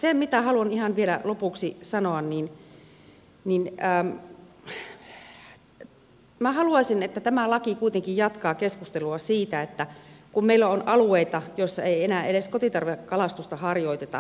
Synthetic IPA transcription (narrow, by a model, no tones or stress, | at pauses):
semit̪æhɑluɑnihɑnʋielæ̰lopuksisɑnoɑnnin | ninəːm | mæhɑluɑsinet̪ːæt̪æmælɑkikuit̪eŋkijjɑt̪kɑːkeskust̪eluɑsiːt̪æet̪ːækummeilːæonʔɑlueit̪ɑjoisːɑeienæːeleskot̪it̪ɑrʋekkːɑlɑst̪ust̪ɑhɑrjoit̪et̪ɑ̰